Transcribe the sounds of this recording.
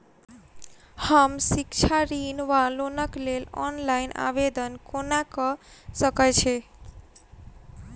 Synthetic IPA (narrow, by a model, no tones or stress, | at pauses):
həmsikt͡ʃʰaɾinʋalonəklelɔ̰nlainʔa̰bed̪ənkonakɔsəkət͡ʃʰɛ